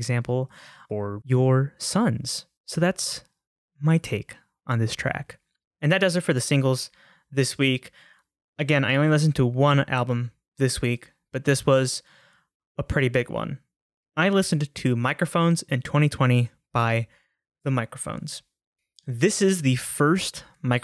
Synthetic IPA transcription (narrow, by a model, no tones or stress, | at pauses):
ɡzæ̃mpl̩ˠfə˞jə˞sʌ̃nz̥ | soʊðæts | maɪtʰeɪk | ʔn̩ðɪstʰɹ̥æ̰k | ɨ̃nðɨt̚d̥ʌzətfə˞ðɨsɪ̃ŋɡl̩ˠz̥ | ðɪswik | ɨɡɛ̃na̰ɪõʊ̃nlilɪs̬n̩tʰəwʌ̃næ̰lˠbə̃m | ðɪswik | b̥ʌt̪̚ðɪswʌz | əpʰɹ̥ɪɾibɪɡwʌ̰̃n | aɪlɪsn̩tʰɨmaɪkɹɨfõʊ̃nzɨ̃ntʰw̥ɛ̃ɾ̃itʰw̥ɛ̃ɾ̃i | b̥aɪ | ðəmaɪkɹɨfõ̰ʊ̃nz̥ | ðɪsɨzðɨfɜ˞st | maɪk